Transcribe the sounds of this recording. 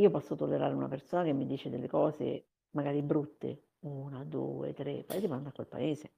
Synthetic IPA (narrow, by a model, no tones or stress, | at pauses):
iːopɔsːot̪olːeɾa̰ːɾeuna̰persoːnak̟emːid̪iːt͡ʃed̪elːekɔːzḛ | maɡaːɾibɾut̪ːḛ | unad̪ṵːḛt̪ɾḛpːa̰eːsevand̪akːwḛlpa̰eːze